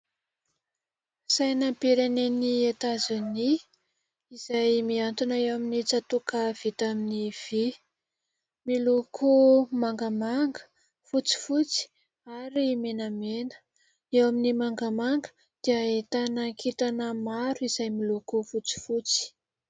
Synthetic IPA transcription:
sajnapiɾeneniet̪azuni | iz̥ajmiant̪unaewaminit͡sat̪ukav̥it̪aminiv̥i | milukʰumaŋɡamaŋɡə̥ | fut͡si̥fut͡si̥ | aɾimenamenə̥ | ewaminimaŋɡamaŋɡə̥ | d̪̥iəet̪anəkʰit̪anəmaɾuiz̥ajmilukufut͡si̥fut͡si̥

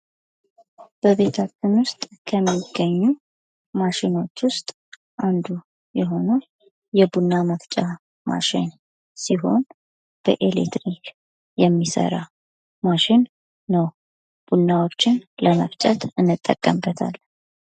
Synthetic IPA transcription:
b̥əβe̞t̪ʰat͡ʃːɪnwʊst̪ʼkʰəmːiɡːəɲːu | maʃɪno̞t͡ʃːwʊst̪ʼ | ʔand̪u | jɛɦo̞nə | jɛbunːaməft͡ʃʼa | ma̰ʃɪn | siɦo̞̰n | b̥ə̰ʔelet̪ɾik | jɛmːisə̰ɾa̰ | maʃɪnː | əw | b̥unːawo̞t͡ʃːɪnləməft͡ʃʼət̪ɨnːɨt̪ʼːəkʼːəmbət̪ʰa̰l

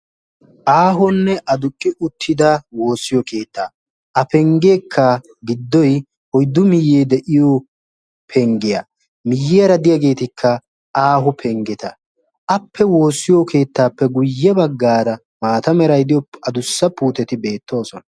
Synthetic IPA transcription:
ʔaːɦɔnːɛʔɐd̪ʊkʼːɪʔʊt̪ʰːɪd̪ɐwo̞ːsːɪjɔke̞ːt̪ːaː | ʔɐpɛŋɡeːkʰːɐ | ɡɪd̪ːɔj | hɔjd̪ːʊmɪjːeːd̪ɛʔɪjo | pʰɛŋɡɪjɐ̰ | mɪjːɛɐɾɐd̪ɪjaɡe̞ːt̪ɪkʰːɐ | aːɦʊpʰɛŋɡɛt̪ɐ | ɐpʰːɛwo̞ːsːɪjɔkʰe̞ːt̪ːaːpːɛɡʊjːɛbɐɡːaːɾɐ | maːt̪ɐmɛɾɐjd̪ɪjɔɐd̪ʊsːɐpuːt̪ɛt̪ɪbe̞ːt̪ːo̞ːsɔnɐ

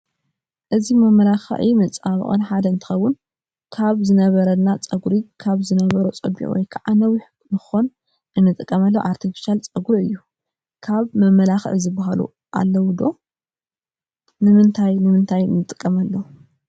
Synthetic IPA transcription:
ʔɨzimɐmɐlaxʕimɐt͡sʼaβɨ̰χʼɨ̰nħad̪ɐɨnt̪ʰɨ̥xɐwːʊn | kʰaβzɨnɐβɐɾɐnːat͡sʼɐɡuɾikʰaβzɨnɐβɐɾot͡sʼɐbḭʔwɔ̰jkʰaʕanɐwiħ | nɨxon | ʔɨnːɨt̪ʼɨkʼːɐmɐlːoʔaɾt̪ʰifi̥ʃalt͡sʼɐɡuɾɨjːu | kʰaβmɐmɐlaxɨ̰ʕzɨbaɦalṵ | ʔa̰lːɐwd̪o̞ | nɨmɨnt̪ʰajnɨmɨnt̪ʰajɨ̰nːɨt̪ʼɨ̥kʼːɐmɐlːo

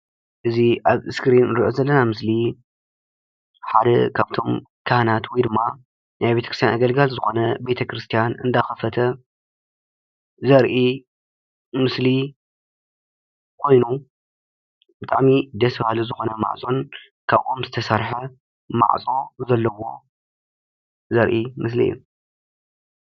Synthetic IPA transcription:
ʔɨziʔaβɨskɨɾinɨɾiʔozɐlːɐnamɨsli | ħad̪ɐ̰kʰaβt̪ʰo̞m | kʰahnat̪wid̪ɨmːa | najbe̞t̪ʰɐkʰɾɨst̪ʰjanaɡɐlɡalzɨxo̞nɐbe̞t̪ʰɐkɾɨst̪ʰijanɨnd̪axɐfɐt̪ʰɐ | zɐɾʔi | mɨsli | kʰo̞jnu | b̥ɨt̪ʼa̰ʕmid̪ɐsbahluzɨxo̞nɐma̰ʕsʼo̞n | kʰaβʔo̞mzɨt̪ʰɐsaɾħɐ | ma̰ʕsʼo̞zɐlːɐwo̞ | zɐɾʔimɨs̬lḭjːṵ

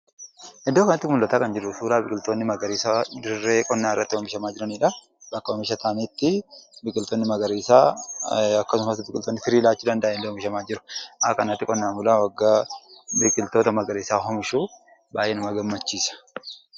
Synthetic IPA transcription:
hɛd̪ːoːkɐnɐt̪ːɪkmʊlːɐt̪aːkɐnd͡ʒɪɾʊsuːɾaːbɪkʼɪlt̪o̞ːnːɪmɐɡɐɾiːsad̪ɪrːe̞ːkʼɔnːaːɪrːɐt̪ːɪwɔmɪʃɐmaːd͡ʒɪɾɐniːᶑɐ | bɐkːɐhɔmɪʃɐt̪aːniːt̪ːɪbɪkʼɪlt̪oːnːɪmɐɡɐɾiːsaː | ɐkːɐsʊmɐsbɪkʼɪlt̪onːɪfɪɾiːlaːt͡ʃːuːd̪ɐnd̪ɐʔːnɪlːewɔmɪʃɐmaːd͡ʒɪɾʊ̥ʔa̰kɐnɐt̪ːɪkʼɔnːaːmʊlaːwɐɡːaːbɪkʼɪlt̪o̞ːt̪ɐmɐɡɐɾiːsaːɦɔmɪʃuː | baːjenʊmɐɡɐmːɐt͡ʃːiːsɐ̥

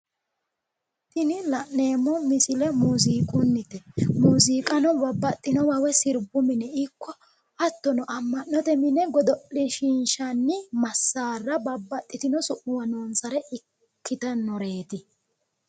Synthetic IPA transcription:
t̪ɪnɪlɐʔne̞ːmɔmɪsɪlɛmuːziːkʼʊnːɪt̪ɛmuːziːkʼɐnɔbɐbːɐt̪ʼːɪnɔwɐwɛsɪɾbʊmɪnɛɪkʰːɔ | ɐt̪ːɔnɔʔɐmːɐnːɔt̪ɛmɪnɛɡɔd̪ɔʔɪʃinʃɐnːɪmɐsːaːrːɐbɐbːɐt̪ʼːɪt̪ɪnɔsʊʔʊwɐnoːnsɐɾɛʔɪ | kʰːɪt̪ɐnɔɾe̞ːt̪ɪ

